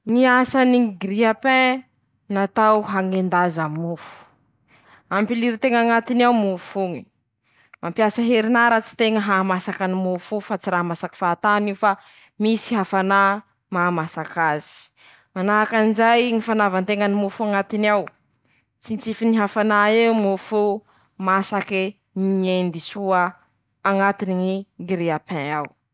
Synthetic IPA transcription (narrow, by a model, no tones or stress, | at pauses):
ŋiasaniɡɾiapɛ̃ | nat̪awɦaŋend̪azamufu̥ | ampiliɾit̪eŋaŋat̪inawmufuŋi̥ | mampjasəɦeɾinaɾat͡si̥t̪eŋəɦamasakanimufufat͡siɾamasaki̥fat̪aniwfa | misi̥ɦafana | mamasakazi̥ | manakanizajŋifanavant̪eŋanimufuaŋat̪iniaw | t͡sint͡sifiniɦafanaeumufu | masaki | niend̪isuə | aŋat̪iniŋiɡiɾeapʰẽaw